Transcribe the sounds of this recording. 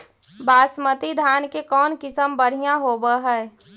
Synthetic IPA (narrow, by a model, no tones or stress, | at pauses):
baːsmət̪id̪ʱaːnkekɔːnkɪsəmbəɽ̤ijãɦoːbəɦɛː